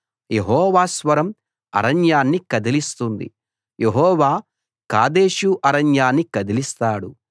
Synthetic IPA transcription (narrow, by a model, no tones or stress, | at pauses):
jeɦɔːʋaːsʋɐɾɐm | ɐ̰ɾɐnjaːnːikɐd̪ilist̪und̪ḭ | jeɦɔːʋaː | kaːd̪e̞ːʃuʔɐɾɐnjaːnːikɐd̪ilist̪aːɽu